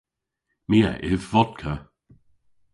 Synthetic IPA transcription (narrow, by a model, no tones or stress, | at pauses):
miːə̰ʔɪvːɔd̪̚kʰə